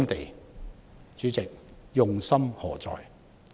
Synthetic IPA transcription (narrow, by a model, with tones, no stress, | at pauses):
mt̪e˨j | t͡ʃyː˨˥t͡sɪ˨k̚jʊ˨ŋsɐ˥mhɔː˨˩t͡sɔ̰ː˨j